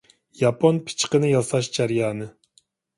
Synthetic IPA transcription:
jɑpʰonpʰi̥t͡ʃqənɨjɑsɑʃd͡ʒæɾjɑːnɨ

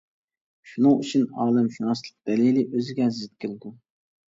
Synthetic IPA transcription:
ʃunɨŋyt͡ʃʰynɑːlˠɨmʃunɑslˠəq̚d̪̥ɛlilɪʔøzɪɡʲɛzɪt̪̚kʲʰɪld̪u

